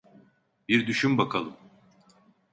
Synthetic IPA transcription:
biɾd̪yʃymbakʰalˠɯm

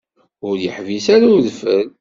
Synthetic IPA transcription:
ʊɾjəħvisaɾuðfəl

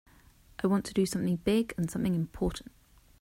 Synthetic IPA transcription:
ʔaɪwɒ̃ntʰədəsʌ̃mθɪ̃ŋbɪɡə̃nsʌ̃mθɪ̃ŋɪ̃mpʰɔˑʔn̩ʔ

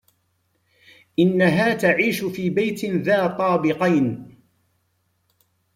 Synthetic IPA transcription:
ʔɪnːaɦaːt̪aʕiːʃfiːbajt̪ðaːt̪ˤɑːbɪqɑjn

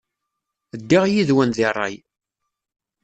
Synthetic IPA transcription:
əd̪ːaʁjiðwænðɪrˤːɑ̰j

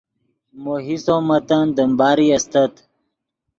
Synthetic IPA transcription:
moɦisomɐt̪and̪əmbaːɾiɐst̪ɐt̪

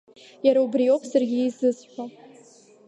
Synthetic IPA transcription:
jaɾaubrijowpʰsarɡʲiizɨzħʷa

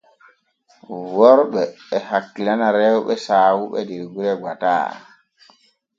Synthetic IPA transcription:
wɔɾɓɛː | hakːilanaɾɛwɓɛsaːwuɓɛdiɾɡuɾɛɡwata̰ː

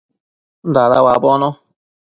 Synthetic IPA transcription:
nd̪aða̰wabonõ

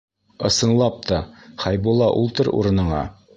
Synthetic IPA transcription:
ɤ̆sɤ̆nlˠɑp̚t̪ɑχɑjbulˠɑʔṵlˠt̪ɤɾṵɾɤ̆nɤ̆ɴɑ̰

